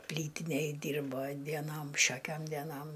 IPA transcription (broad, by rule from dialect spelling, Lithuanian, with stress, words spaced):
ˈpʲlʲiːtʲɪnʲeːj ˈdʲiːrboː dʲiɛˈnoːm ˈʃʲoːkʲoːm dʲɛˈnoːm